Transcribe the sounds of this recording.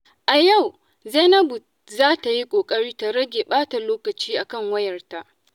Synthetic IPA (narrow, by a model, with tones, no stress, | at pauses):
ʔa˨ja˦˨w | zɛ˦nɐ˦bʊ˨ | zaː˦ta˨ji˦kʷʼoː˨kʼɐ˦ɽiː˦ta˨ɾɐ˦ɡʲe˨ɓaː˦ta˨loː˦kɐ˨t͡ʃiː˦ʔa˨kɐ˦˨ŋwɐ˦jɐ˨rta˦ʔ